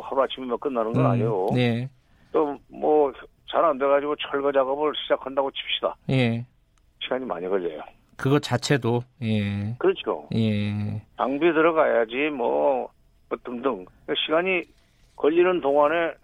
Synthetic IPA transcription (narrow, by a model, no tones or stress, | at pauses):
haɾoat͡ɕʰimimʌk͈ɯnːanɯnɡɡʌna̰ɲiɡoje̞ | t͈omʌ | t͡ɕaɾandeɡad͡ʑiɡot͡ɕʰʌɭɡʌd͡ʑaɡʌbɯɭɕʰid͡ʑakʰandaɡot͡ɕʰi̥p̚ɕ͈ida̰je̞ | ɕʰiɡaɲima̰ɲiɡʌʎːḛjo̰ | kɯɡʌt͡ɕat͡ɕʰe̞doje̞kɯɾʌt͡ɕʰo̰jetaŋbidɯɾʌɡajad͡ʑimwʌ̰ | mʌt͈ɯŋdɯŋ | eɕʰiɡaɲi | kʌʎːinɯntoŋwane